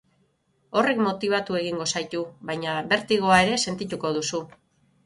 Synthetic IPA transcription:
o̞re̞kmo̞t̪iβ̞at̪ue̞ɣ̞iŋɡo̞sajt̪uβajɲaβe̞ɾt̪iɣo̞ae̞ɾe̞se̞nt̪it̪uko̞ðusu

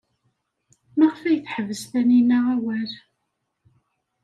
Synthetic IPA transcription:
məʁfæjəθħəvəsθæninaawæl

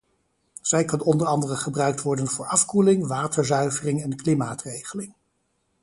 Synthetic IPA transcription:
z̥ɛjkɑnɔndəɹɑndərəχəbrœɥk̚tʋɔɹdənvʊːɹɑfkulɪŋʋaːtəɹzœɥvərɪŋɛnklimaːtrejχəlɪŋ

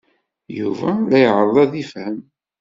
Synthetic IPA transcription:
juvælæjəʕɾˤəðˤæðifhəm

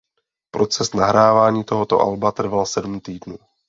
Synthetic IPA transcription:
pɾo̞t͡sɛsnaɦɾaːvaːɲiːt̪oɦot̪oʔa̰lbat̪r̩valsɛdumt̪iːdnuː

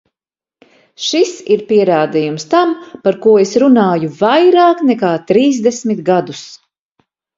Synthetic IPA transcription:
ʃisiɾpiɛɾaːd̪ijumst̪ampaɾkuɔesɾunaːjuvajɾaːknɛkaːt̪ɾiːzd̪esmit̪ɡad̪us

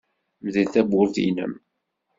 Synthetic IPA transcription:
mðilθæbʊɾθḭnə̰m

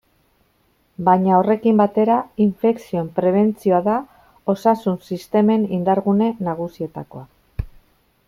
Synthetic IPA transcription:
bajɲao̞re̞kimbat̪e̞ɾaiɱfe̞ksio̞empɾe̞β̞e̞nt͡sio̞aða | o̞sasunsist̪e̞me̞nind̪aɾɣune̞naɣ̞usie̞t̪ako̞a

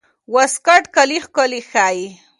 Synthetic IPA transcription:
waskaʈkalixkolixaji

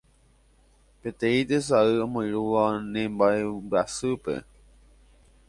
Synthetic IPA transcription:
pe̞t̪ẽĩt̪es̬aɨõmõjɾuʋaonẽmbaebɨasɨpe̞̰

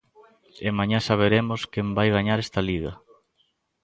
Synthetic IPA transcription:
emaɲasaβ̞eɾemoskembajɣaɲaɾest̪aliɣɐ

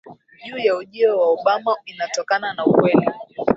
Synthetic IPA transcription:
ʄuːjauʄiɔwaɔɓamainatɔkananaukwɛli

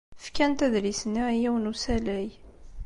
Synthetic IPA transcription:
fkænt̪æðlisnijæwənusælæj

